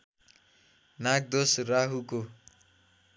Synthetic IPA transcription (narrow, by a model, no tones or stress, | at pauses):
nak̚d̪osraɦuko